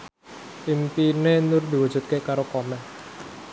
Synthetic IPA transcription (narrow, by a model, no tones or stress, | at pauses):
timpinenʊrd̪i̤wu̥ʒ̥ṳt̪̚kekaɾokɔmɛn